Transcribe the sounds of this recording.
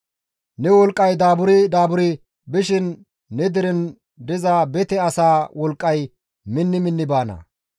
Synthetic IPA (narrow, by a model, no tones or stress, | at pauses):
nɛwɔlkʼːɐjd̪aːbʊɾɪd̪aːbʊɾɪ | bɪʃɪnː | ɛd̪ɪɾɛn | d̪ɪzabɛt̪ɛɐsaːwɔlkʼːɐj | mɪnːɪmɪnːɪbaːnɐ̰